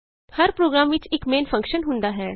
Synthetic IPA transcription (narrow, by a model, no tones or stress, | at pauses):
həɾpɾoːɡɾaːmʋɪt͡ʃɪkmeːnfʰə̃ŋkʃənɦʊ̃nd̪aːɦɛː